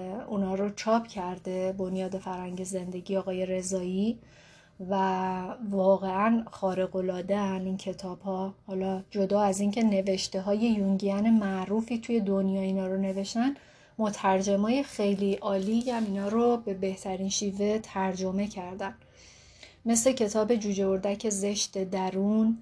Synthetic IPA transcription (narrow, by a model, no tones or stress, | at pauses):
unhɒːɾot͡ʃʰɒːpʰcʰæɾd̪e̞bo̞njɒːd̪e̞fæɾhæɲɟe̞ze̞nd̪e̞ɟiːɒːɣɒːje̞ɾe̞zɒːjiː | vævɒːɣe̞ænxɒːɾe̞ɣo̞lɒːd̪eæniːncʰe̞t̪ʰɒːb̥hɒːhɒːlɒːd͡ʒo̞d̪ɒːæziːŋcʰe̞ne̞veʃt̪e̞ɦɒːje̞juŋɟiæne̞mæʔɾuːfiːt̪ʰuje̞d̪onjɒːiːnɒːɾone̞ve̞ʃt̪æn | mot̪ʰæɾd͡ʒemɒːje̞xe̞jliʔɒːlijæminɒːɾobe̞be̞ht̪ʰæɾinʃiːve̞t̪ʰæɾd͡ʒo̞me̞cʰæɾd̪æn | me̞sle̞cʰe̞t̪ʰɒːbe̞d͡ʒuːd͡ʒeoɾd̪æcʰe̞ze̞ʃt̪e̞d̪æɾuːn